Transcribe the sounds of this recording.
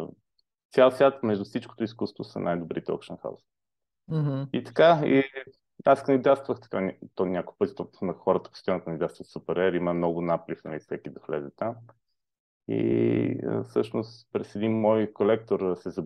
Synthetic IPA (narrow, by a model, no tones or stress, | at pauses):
t̪sʲalˠsvʲat̪mɛʒd̪ufsit͡ʃko̥t̪ʊiskust̪vosɐ̰nʔajd̪ʊbɾit̪ɛɔ̰kʃənxa̰ʊs | it̪ɐ̥kai | askɐnid̪ast̪vəxt̪ɐ̥kanʲt̪ɔnʲakʊjpɤt̪it̪ɔnɐxɔɾət̪ə̥pst̪anəkənid̪ast̪vəfsupɛɾɛɾiməmnɔɡʊnaplifnɐ̰lifsɛkʲid̪ɐxlɛ̰zɛt̪am | ḭ | fsɤʃnʊst̪pɾɛsɛd̪inmɔjkolɛk̚t̪oɾsɛzɐ